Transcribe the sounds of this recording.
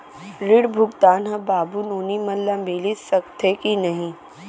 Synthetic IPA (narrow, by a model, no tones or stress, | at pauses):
ɾɪɽbʱʊɡt̪aːnɦɐ̃baːbunoːnimɐlːãmbeːlisɐkt̪ʰekinɐɦĩ